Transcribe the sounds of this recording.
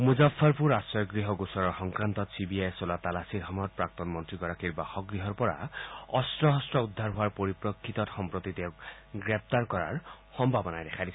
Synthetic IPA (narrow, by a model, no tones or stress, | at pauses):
muzafʰːɔɹpuɹasɔɡɹiɦɔɡusɔɾɔɹxɔŋkɹant̪ɔtsibiajsɔlat̪alasiɾɦɔmɔt̚pɹak̚t̪ɔnmɔntɹiɡɔɾakiɹbaxɔɡɾɹiɦɔɹpɔɹa̰ɔstɹɔɦɔstɹɔud̪ʱːaɾɦʊaɹpɔɾipɹɔkʰːit̪ɔtxɔmpɹot̪it̪ewk | ɡɹep̚t̪aɹkɔɹa̰ɹ | xɔmbʱabɔnajd̪ɛkʰadis